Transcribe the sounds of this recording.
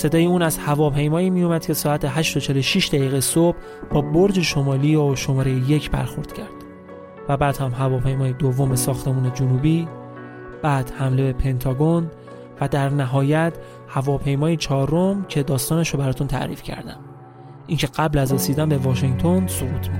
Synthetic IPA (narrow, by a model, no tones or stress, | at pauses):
se̞d̪ɒːjeuːnæzhævɒːpʰe̞jmɒːiːmijomæd̪̥cʰe̞sɒːæt̪ʰeɦæʃt̪o̞t͡ʃʰe̞loʃiːʃd̪æɣiːɣesob̥ | bɒːboɾd͡ʒeʃo̞mɒːliːoʃo̞mɒːɾejejecʰbæ̰ɾxo̞ɾd̪̥cʰæɾd̪̥ | væbæːd̪hæmɦævɒːpʰe̞jmɒːjed̪ovːo̞mesɒːxt̪ʰe̞muːne̞d͡ʒunuːbiː | b̥æːd̪̥hæmle̞be̞pʰe̞nt̪ʰɒːɡon | væd̪æɾnæɦɒːjæt̪ʰ | hævɒːpʰe̞jmɒːjet͡ʃʰɒːɾomcʰe̞d̪ɒːst̪ɒːnæʃobæɾɒːt̪ʰunt̪ʰæ̰ʔɾḭːfcʰæ̰ɾd̪æ̰m | ʔiŋcʰe̞ɡæblæzɾesiːd̪ænbe̞vɒːʃeŋt̪ʰo̞nsoɣuːt̪ʰmi